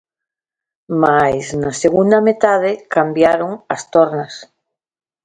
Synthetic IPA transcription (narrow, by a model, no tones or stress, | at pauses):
majznaseɣund̪amet̪aðekambjaɾoŋast̪oɾnas